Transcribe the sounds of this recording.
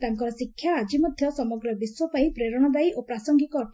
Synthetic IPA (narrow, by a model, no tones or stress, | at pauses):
t̪aŋkɔɾɔsikʰːjaːd͡ʒimɔd̪ʱjɔsɔmɔɡɾɔbiswɔpaĩpɾeɾɔɽ̃ɔd̪ajopɾasɔŋɡikɔ